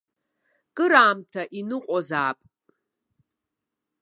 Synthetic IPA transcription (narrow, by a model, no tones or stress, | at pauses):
kʼɨɾaːmtʰɐʔinɨqʷʼɔzaːpʼ